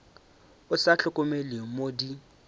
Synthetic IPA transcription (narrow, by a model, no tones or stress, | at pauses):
ʊsaɬʰʊkʼʊmelimodi